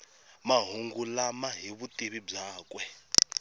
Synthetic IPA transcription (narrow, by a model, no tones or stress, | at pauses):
maɦuŋɡulamaɦiβutiβib͡ʐaːkwɛ